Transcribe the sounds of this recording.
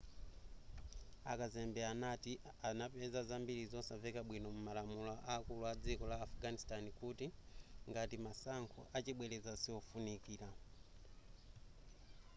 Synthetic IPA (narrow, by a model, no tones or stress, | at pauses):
a̰kazɛmbɛanati | anapɛzazambiɾizɔsavɛkaɓwinɔmumalamulaʔaːkuluad͡zikɔlaːfuɡanistanikutiŋɡatimasaŋkʰṵʔat͡ʃiɓwɛlɛzasiɔfunikiːla